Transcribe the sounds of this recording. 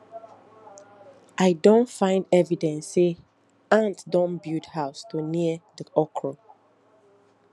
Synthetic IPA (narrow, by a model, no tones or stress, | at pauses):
ʔaɪdõntfãɪ̃ndɛvidɛ̃nsːe | ãntdɔ̃nbjudhaʊstʰuoniəðiɔkʰɹo